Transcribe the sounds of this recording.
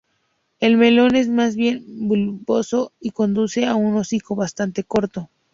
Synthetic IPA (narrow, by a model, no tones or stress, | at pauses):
e̞lme̞lo̞ne̞zmazβje̞nbulupo̞so̞iko̞nd̪use̞auno̞siko̞βast̪ant̪e̞ko̞ɾt̪o̞